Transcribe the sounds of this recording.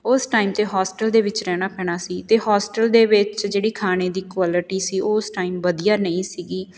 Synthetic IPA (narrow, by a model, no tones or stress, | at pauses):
ʊsʈaːimt̪eːɦɔːsʈəld̪eːʋɪt͡ʃɾɛːɽ̃aːpɛːɽ̃aːsiːt̪eːɦɔːsʈəld̪eːʋɪt͡ʃd͡ʒeːɽiːkʰaːneːd̪iːkwaːlɪʈiːsiːʔoːsʈaːimʋəd̪ijaːnəĩːsiːɡiː